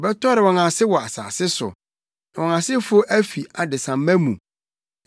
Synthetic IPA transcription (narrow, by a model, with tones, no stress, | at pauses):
bɛ˦tʰɔ˦ɾɪ˨wɔ̃˨nã˨sɪ˦wɔ˨a˨sa̰ː˨sɪ˦sʊ̰˨ | na˨wɔ̃˨nã˨sɪ˦fo˦ʔæ˦fi˨a˨dɪ˨sã˨m̩˦mæ̃˦mṵ̃˨